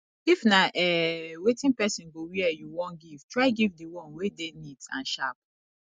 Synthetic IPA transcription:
ifnaʔɛwetĩnpɛsĩnɡowiɛjuwɔ̃nɡiv̥tɹaɪɡivdiwɔ̃nwedenitã̰nʃap̚

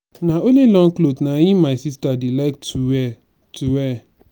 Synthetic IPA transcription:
naolilɔ̃ŋklotnaimaɪsistadilak̚tuwɛ | tuwɛ

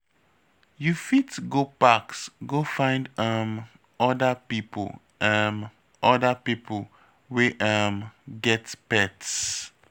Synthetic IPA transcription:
jufitɡopaksɡofãɪ̃ndʌm | ɔdəpipʰl | ʔəm | ʔɔdəpipʰəl | weʔʌmɡɛtpɛts

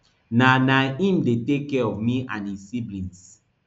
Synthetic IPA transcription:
nanaĩmdetekːɛɔvmiʔãnizsiblĩns

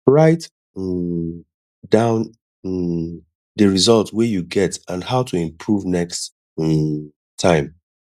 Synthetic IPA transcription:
ɹaɪt | dãʊ̃n | dəɹizɔlˠtwɛjuɡɛtãnhaʊtʰuɪ̃mpʰɹuvnɛkst | tʰːãɪ̃m

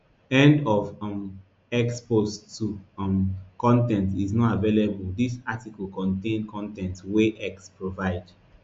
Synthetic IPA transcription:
ɛ̃ndɔvm | ɛkspostʰːumkɔ̃ntɛ̃ntiznɔtavelebuldisatikɔlkɔ̃ntẽnkʰɔ̃ntɛ̃ntweʔɛkspɹovaɪd

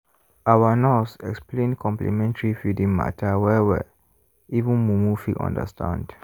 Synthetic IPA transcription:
awanɔsɛ̰ksplẽnkʰɔ̃mplḭmɛ̃ntaɹifidĩŋma̰tʰawɛwɛ̰ | ivũnmumufḭʔɔ̰̃ndə̰stʰã̰nd

